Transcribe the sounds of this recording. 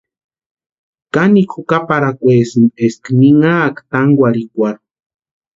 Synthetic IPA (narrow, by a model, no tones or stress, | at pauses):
kanikxukapaɾakʷesimeskniŋaːkt̪aŋɡʷaɾikʷaɾ